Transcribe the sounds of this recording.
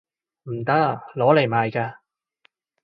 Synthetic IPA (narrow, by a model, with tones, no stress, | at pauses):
m̩˨˩t̪ɐ˥k̚ːlɔː˨˥le˨˩jmaː˨˧jkaː˧